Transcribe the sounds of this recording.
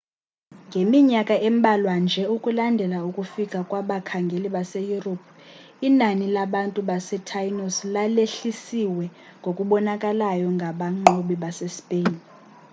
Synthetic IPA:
ŋɡʱemiɲakʼaʔɛm̩ɓʱalwand͡ʒʱɛukʼulandʱɛlaukʼufikʼakʼwaɓakʰaŋɡʱeliɓasejuropʰ | inanilaɓantʼuɓasɛtʰajnoslaleɬisiwɛŋɡʱokʼuɓɔnakʼalajɔŋɡʱaɓaŋ͡ǃoɓiɓasɛspʼeːn

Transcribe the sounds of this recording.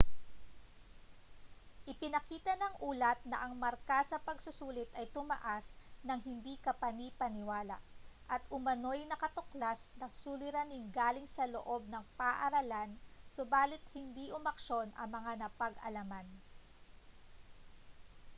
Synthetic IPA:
ʔɪpɪnɐkiːt̪ɐnɐŋʔuːlɐt̪̚nɐ̰ʔɐŋmɐɾkasɐpɐɡsʊsuːlɪt̪ɐjt̪ʊmɐ̰ʔasnɐŋɦɪnd̪ikɐpɐnipɐnɪwaːla̰ʔʔɐt̪ʔʊmɐno̞jnɐkɐt̪oklasnɐŋsulɪɾɐninɡaːlɪŋsɐloʔo̞b̚nɐŋpaʔɐɾɐlansobaːlɪt̪̚hɪnd̪iʔʊmɐkʃo̞nɐ̰ŋmɐŋanɐpɐɡʔɐ̰lɐman

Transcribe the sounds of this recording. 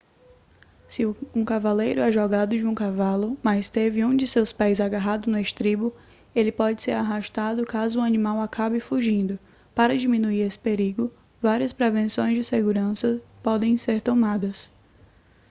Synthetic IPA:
sɪũkavalejɾʊɛʒɔɡad̪ʊd͡ʒɪũkavalʊmast̪evɪũd͡ʒɪsewspɛjzaɡaɦad̪ʊneʃt̪ɾibʊ | elɪpɔd͡ʒɪseɾaɦaʃt̪ad̪ʊkazʊuɐnĩmawakʰabɪfuʒĩnd̪ʊ | paɾɐd͡ʒimĩnuiɾesɪ̥peɾiɡʊ | vaɾiɐspɾevẽsõj̃zd͡ʒɪseɡuɾɐ̃sɐpɔd̪ẽj̃seɾt̪õmad̪ɐs

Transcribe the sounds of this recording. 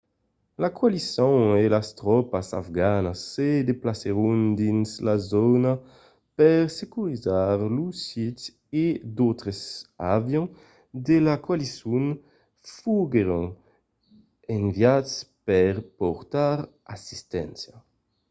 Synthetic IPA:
lakwalisɔ̃ŋelast̪ɾɔpasa̰fɡanasːed̪eplaseɾund̪inslazɔna | pɛɾsekuɾizaɾlusit̪ | ed̪ot̪ɾezavjɔ̃ | d̪elakwalisun | fuɡeɾũŋ | eɱvjatspɛɾpɔɾt̪aɾ | asist̪ɛ̰̃nsja

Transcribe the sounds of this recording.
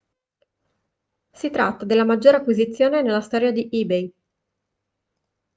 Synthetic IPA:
sit̪ɾat̪ːad̪elːamad͡ʒːoːɾeakːwizit̪sːjoːnenelːast̪ɔːɾjad̪iʔiːbej

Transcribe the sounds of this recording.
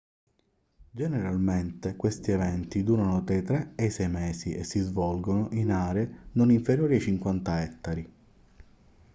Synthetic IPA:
d͡ʒeneɾalment̪ekwest̪ievɛnt̪id̪uːɾanot̪ɾajt̪ɾeejsɛjmɛːsiʔesːizvɔlɡonoʔinaːɾeenoniɱfeɾjoːɾiat͡ʃiŋkwant̪aɛt̪ːaɾi

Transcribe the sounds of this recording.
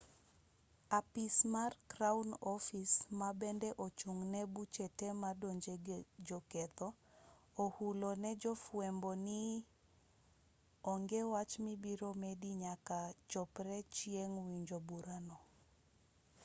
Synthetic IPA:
apismarkɾaunɔfismabɛndɛʔot͡ʃuŋnɛbut͡ʃetɛmadoɲd͡ʒed͡ʒɔkɛt̪ɔ | ohulonɛd͡ʒɔfwɛmbɔnɪ | ɔŋɡewat͡ʃmibiɾomediɲakat͡ʃɔpɾɛt͡ʃjeŋwiɲd͡ʒobuɾanɔ

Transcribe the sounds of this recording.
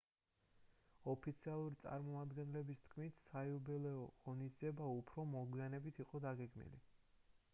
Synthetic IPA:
ɔpʰit̪sʰialˠuɾit̪sʼa̰ɾmɔmad̪ɡɛnlɛbist̪ʰkʰmit̪ʰsaiubɛlɛɔʁɔnisd̪ziɛbaupʰɾɔmɔɡwianɛbit̪ʰiqʼɔd̪aɡɛɡmḭlḭ

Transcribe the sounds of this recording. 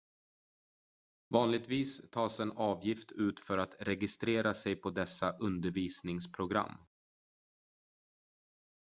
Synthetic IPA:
vɑːnlɪɡ̚t̪viːst̪ʰɑːsɛnɑːvjɪft̪ʰʉ̟ːt̪fœɾat̪ɾɛɡɪst̪ɾeːɾasɛjpʰɔd̪ɛsːaʔɵnd̪əɾviːsnɪŋspʰɾʊɡɾa̰mː

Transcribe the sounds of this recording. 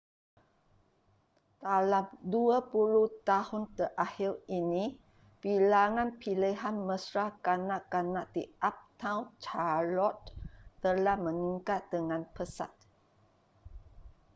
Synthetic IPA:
t̪alamduapuluht̪ahʊnt̪əʔahiɾinĩ | pilaŋãnpʰiliɦanmə̃sɾahkanãʔkanãʔdiʔap̚t̪ãwnt͡ʃalɔt̪̚ːəlahmə̃ŋiŋkat̪̚dəŋãnpəsa̰t̪̚

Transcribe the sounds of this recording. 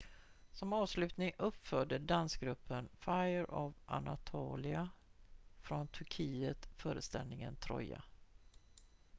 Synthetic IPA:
sɔmɑːvslʉ̟ːt̪nɪŋɵpːfœːɖəd̪ansɡɾɵpʰːənfajəɾɔvʔa̰nat̪ʰuːlɪa | fɾɔnt̪ʰɵɾkʰiːət̪fœːɾəst̪ɛlnɪŋənt̪ʰɾɔ̰jːa̰

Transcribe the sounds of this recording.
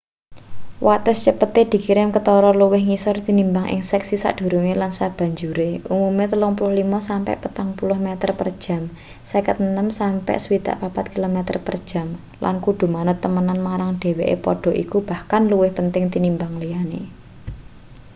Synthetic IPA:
wʔat̪əst͡ʃəpət̪ed̪̥i̤kiɾɪmkət̪ɔɾɔluwɪhŋisɔrt̪inimbaŋʔɪ̰ŋsɛksisa̰ʔd̪̥ṳɾuŋelansab̥ä̤ɲd͡ʒuɾeʔumumet̪əlʊŋpulʊhlimɔsampɛ̰ʔpət̪aŋpulʊhmɛt̪ərpərd̥ʒ̥a̤m | sakət̪nəmsampɛ̰ʔsəwid̪̥a̰ʔpapat̪̚kilomɛt̪ə̰rpə̰rd̥ʒ̥ä̤m | lʔa̰nkud̪̥ṳmanət̪ːəmənanmaɾaŋɖ̥e̤weʔḛpɔ̰ɖ̥ɔ̤ʔikub̥a̤hkanluwɪhpənt̪ɪŋt̪inimbaŋlijanḛ

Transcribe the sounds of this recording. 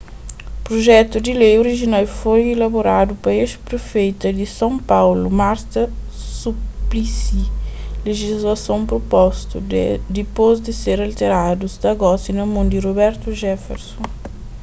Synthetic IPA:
pɾoʒɛt̪ud̪ilejoɾiʒinawfojelɐboɾad̪upɐeʃpɾefejt̪ɐd̪isãpawlumaɾt̪ɐ | suplisileʒizlɐsõw̃pɾopɔst̪ud̪ipozd̪eseɾalt̪eɾad̪uzd̪ɐɡɔsinɐmõnd̪iroβɛɾt̪uʒɛfḛɾsõ

